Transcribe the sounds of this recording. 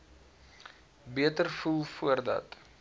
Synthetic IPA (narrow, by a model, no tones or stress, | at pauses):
biətərfulˠfuərdɐ̰t